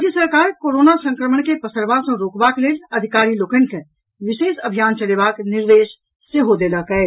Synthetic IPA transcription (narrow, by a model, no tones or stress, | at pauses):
d͡ʒjəsəɾkaːɾkoːɾoːnasə̃ŋkɾəməɳkepəsəɾbasẽɾoːkbakleːlɐd̪ʱɪkaːɾiloːkənkẽ | ʋɪʃeːʃəbʱijaːnt͡ʃəleːbaːknɪɾd̪eːʃ | seɦod̪eləkəe